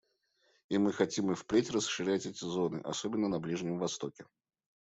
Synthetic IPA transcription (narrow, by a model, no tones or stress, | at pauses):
imɨxɐtʲimɨfpɾʲetʲrəsʂɨɾʲætʲɛtʲɪzo̞nɨ̰ʔɐ̰sobʲɪnːənɐblʲiʐnʲɪmvɐst̪o̞kʲɪ